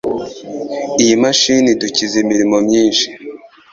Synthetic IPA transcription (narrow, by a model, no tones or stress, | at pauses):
ijimaʃiniducizimiɾimo̞mɲiːnʃi̥